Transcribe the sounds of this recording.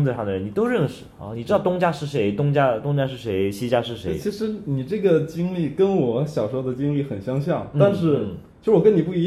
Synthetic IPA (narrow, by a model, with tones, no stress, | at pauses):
t͡sʂɑ˥˧ŋd̪ə˩ɻə˧˥ni˨˩t̪o˥ʊɻə˥˩nʂɻ̩˨˩ɐ̰˥˧˩ni˨˩ʈ͡ʂɻɑ˥˩ʊt̪ʊ˥ŋt͡ɕja˥ʂɻ̩˥˩ʂe˧˥ɪt̪ʊ˥ŋt͡ɕja˥t̪ʊ˥ŋt͡ɕja˥ʂɻ̩˥˩ʂe˧˥ɪɕi˥t͡ɕja˥ʂɻ̩˥˩ʂe˧˥˩ɪt͡ɕʰi˧˥ʂɻ̩˧˥ni˨˩ʈ͡ʂɤ˥˩ɡə˩t͡ɕi˥ŋli˥˩kə˥nwɔ˨˧˩ɕjɑ˨˩ʊʂd̪ə˩t͡ɕi˥ŋli˥˩xə˨˩nɕjɑ˥ŋɕjɑ˥˩ŋna˥˧nʂɻ̩˥˩˥ | o˥˧ʂɻ̩˥wɔ˨˩kə˥ni˨˩pu˥˩i˧˥